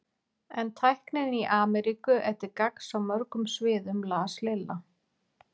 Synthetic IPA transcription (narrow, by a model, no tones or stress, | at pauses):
ɛnt̪ʰajhknɪðɪniʔaːmɛɾikʏʔɛht̪ɪɾkaksawmœɾkʏmsvɪːðʏmlaːslɪlːa